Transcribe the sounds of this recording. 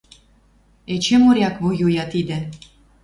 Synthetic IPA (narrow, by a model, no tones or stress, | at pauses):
et͡ɕemoɾʲjɑkβojujɑt̪id̪ɘ̆